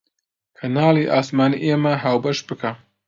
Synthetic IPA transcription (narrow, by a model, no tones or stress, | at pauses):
kʰɐnaːliʔaːsmaːniʔemɐɦaːwbɐʃbɨkʰa